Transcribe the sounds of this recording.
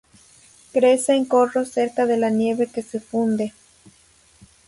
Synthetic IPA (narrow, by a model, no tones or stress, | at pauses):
kɾeseːŋkoroseɾkaðe̞lanjeβekesefund̪e